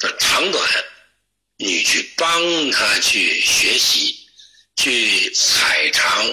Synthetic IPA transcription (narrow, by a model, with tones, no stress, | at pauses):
t̪ə˩ʈ͡ʂʰɑ˧˥ŋt̪wa̰˨˩˦n | ni˨˩t͡ɕʰy˥˩pɑ˥ŋt̪ʰa˥t͡ɕʰy˥˩ɕɥɛ˧˥ɕi˧˥ | t͡ɕʰy˥˩t͡sʰa˨˩ɪʈ͡ʂʰɑ˧˥ŋ